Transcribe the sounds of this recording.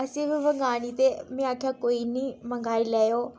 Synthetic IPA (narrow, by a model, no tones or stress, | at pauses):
ɐsĩbɪʋɐŋɡaːɽ̃it̪emĩaːkʰjakoːinimɐ̃ŋɡʱaːilɛjo